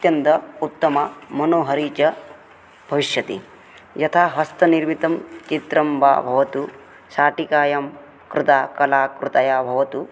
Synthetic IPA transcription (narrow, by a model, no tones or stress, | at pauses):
t̪jɐnt̪ɐut̪ːɐmɐmɐnoːɦɐɾiːt͡ʃɐ | b̥ʱɐʋiʃjɐt̪ḭ | jɐt̪ʰaːɦɐst̪ʰɐniɾmit̪ɐmt͡ʃit̪ɾɐmbʱa̰ːbʱɐʋɐt̪u | ʃaːʈikaːjɐm | kɾut̪aːkɐlaːkɾut̪ɐjaːbʱɐʋɐt̪u